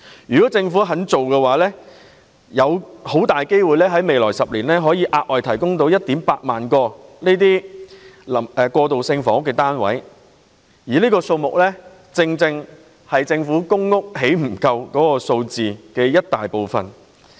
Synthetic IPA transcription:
jyː˨kɔː˨˥t͡sɪ˧ŋfu˨˥ɦɐ˨˥nt͡so˨wkɛː˧waː˨˥lɛː˥ | jɐ˨˧who˨˥wt̪aː˨˩jke˥jwuː˨˩jlɛː˥ɦɐ˨˥jme˨jlɔ̰ː˨˩jsɐ˨p̚liː˨˩nlɛː˥ɦɔː˨˥jiː˨˧ʔaː˧t̚ʔɔː˨˩jt̪ʰɐ˨˩jkʊ˥ŋt̪o˨˧˥wjɐ˥t̚t̪iː˨˥mpaː˧t̚maː˨nkɔː˧neː˥t̪̬iː˥ | lɐ˨˩ɛ˧kɔː˧t̪o˨wsɪ˧ŋfɔː˨˥ŋkɛː˧t̪aː˥nwɐ̰˨˥j | jiː˨˩liː˥kɔː˧so˧wmʊ˨k̚lɛː˥ | t͡sɪ˧ŋt͡sɪ˧ŋ | hɐ˨jt͡sɪ˧ŋfuː˨˥kʊ˥ŋːʊ˥k̚he˨˥jm̩˨˩kɐ˧wkɔː˨˥kɔː˧so˧wt͡siː˨kɛː˧jɐ˥t̚t̪aː˨jpo˨˧wfɐ̰˨˩n

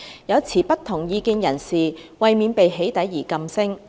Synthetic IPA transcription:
jɐ˨˧wt͡sʰiː˨˩pɐ˥t̪ʰʊ˨˩ŋjiː˨˧kiː˧njɐ˨˩nsiː˨wɐ˨jmiː˨˧npe˨jɦe˨˥jt̪ɐ˨˥jːiː˨˩kɐ˨msɪ˥ŋ

